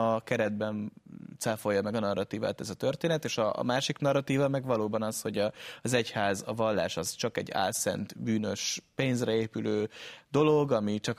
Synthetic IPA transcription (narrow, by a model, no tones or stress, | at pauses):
ɒkɛɾɛd̪bɛnt̪safo̞jːɒmɛɡɒnɒrːɒt̪iːva̰ːt̪ɛzɒt̪ørt̪eːnɛt̪eːʃɒ̰maːʃiknɒrːɒt̪iːvɒmɛɡvɒloːbɒnɒsho̞ɟɒːzɛchaːzɒvɒlːa̰ːʃɒzt͡ʃɒkɛ̰ɟːa̰ːlsɛ̰nt̪byːnøʃpeːnzrɛeːpyløːd̪o̞lo̞ɡɒmit͡ʃɒk